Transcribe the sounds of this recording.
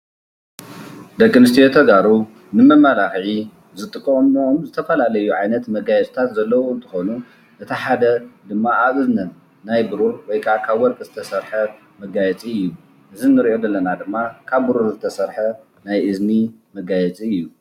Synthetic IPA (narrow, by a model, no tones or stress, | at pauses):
d̪ɐkʼːɨnɨst̪ʰijot̪ʰɐɡaɾu | nɨmɐmːalaxʕi | zɨt̪ʼɨkʼːomːoʔmzɨt̪ʰɐfɐlalɐjuʕajnɐt̪mɐɡajɛt͡sʼt̪ʰat̪zɐlːɐwoɨnt̪ʰɨ̥xonu | ʔɨt̪ʰiħad̪ɐd̪ɨmːaʔaβɨznɐnː | ajbɨɾuɾwɔjkʰakʰaβwɔɾkʼɨzɨt̪ʰɐsɐɾħɐ | mɐɡajɛt͡sʼiɨjːu | ʔɨzinːɨɾʔo̞d̪ɐlːɐnad̪ɨmːakʰaβːɨɾuɾzɨt̪ʰɐsɐɾħɐ | najʔɨzni | mɐɡajɛt͡sʼiɨjːu